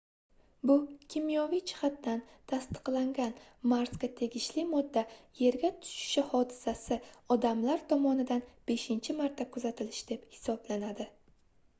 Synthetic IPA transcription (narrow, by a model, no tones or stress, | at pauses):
bʊkʲʰimijɒvijt͡ʃʰɪ̥χat̪̚d̪an | t̪ʰast̪ʰɨ̥qlˠaŋɡʲanmaɾsɡʲat̪ʰe̞ɡʲɪʃlɪmɒd̪ːaje̞ɾɡʲat̪ʰʊ̥ʃɪ̥ʃɪhɒd̪ɪsasɪɒd̪amlaɾt̪ʰɒmɒnɪd̪anb̥e̞ʃɪnt͡ʃʰɪmaɾt̪ʰːakʰʊzat̪ʰɪlɪʃd̪e̞phɪ̥sɒblanad̪ɪ